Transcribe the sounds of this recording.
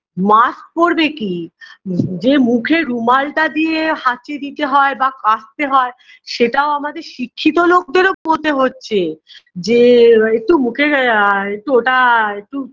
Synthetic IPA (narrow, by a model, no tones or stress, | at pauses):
mask̚poɾbeki | d͡ʑemukʰeɾumalʈad̪ieɦat͡ɕed̪it̪eɦɔebakast̪eɦɔe | ʃeʈaoamad̪eɾʃikʰːit̪olok̚d̪eɾopot̪eɦotːɕʰed͡ʑeek̚ʈumukʰeɾek̚ʈuoʈaek̚ʈu